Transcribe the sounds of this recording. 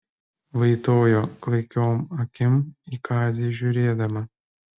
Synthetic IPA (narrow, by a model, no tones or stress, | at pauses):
ʋɐɪt̪oːjoːklˠɐɪkʲoːmɐkʲɪmiːkʰɑːzʲiːʒʲuːɾʲeːd̪ɐmɐ